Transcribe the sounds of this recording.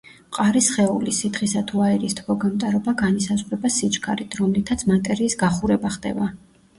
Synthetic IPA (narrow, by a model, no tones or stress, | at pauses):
qʼaɾisχɛulisid̪χisat̪ʰuaɛɾist̪ʰbɔɡamt̪ʼaɾɔbaɡanisazʁɾɛbasit͡ʃʼkʰa̰ɾit̪ʰɾɔmlit̪ʰat̪sʰmat̪ʼɛɾiːsɡaχuɾɛbaχd̪ɛ̰ba